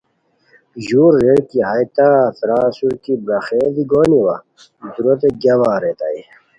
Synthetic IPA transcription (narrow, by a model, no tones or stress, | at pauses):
ʑuːɾːeɽkiɦajt̪at̪ɾaːsuɾkibɾɐxeːd̪iɡoːniwa̰ | d̪uɾot̪eɡɐwaːɾet̪a̰i